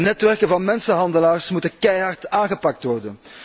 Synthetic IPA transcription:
nɛtʋɛrkənvɑnmɛnsəɦɑndəlaːrsmutənkɛjɑrtaːnɣəpɑk̚tʋɔrdən

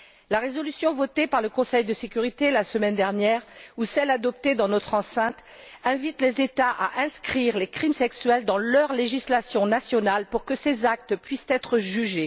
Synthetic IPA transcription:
laʁezɔlysjɔ̃vɔt̪epaʁləkɔ̃sɛjd̪əsekʲyʁit̪elasəmɛnd̪ɛʁnjɛʁusɛlad̪ɔp̚t̪ed̪ɑ̃nɔt̪χɑ̃sɛ̃t̪ | ɛ̃vit̪lezet̪aʔa̰ʔɛ̃skχiʁlekχimsɛksɥɛld̪ɑ̃lœʁleʒislasjɔ̃nasjɔnalpuʁkəsezak̚t̪əpɥist̪ɛt̪χəʒyʒe

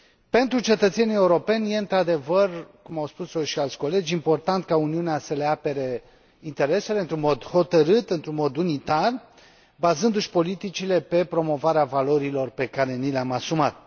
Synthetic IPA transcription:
pe̞nt̪ɾut͡ʃe̞t̪ət̪se̞nijeuɾo̞pe̞nʲje̞ɨnt̪ɾad̪e̞vərkumawspusoʃialt̪sʲko̞le̞d͡ʒʲimpo̞rt̪ant̪kauniuneasəle̞ape̞ɾe̞ | int̪e̞ɾe̞se̞le̞ɨnt̪ɾunmo̞d̪ho̞t̪əɾɨt̪ɨnt̪ɾunmo̞d̪unit̪ar | bazɨnd̪uʃʲpo̞lit̪it͡ʃile̞pe̞pɾo̞mo̞vaɾeavalo̞ɾilo̞rpe̞kaɾe̞nileamasumat̪̚

